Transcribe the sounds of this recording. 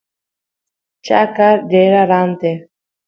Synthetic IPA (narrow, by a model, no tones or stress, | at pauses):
t͡ʃa̰kaɾɖeɾaɾant̪e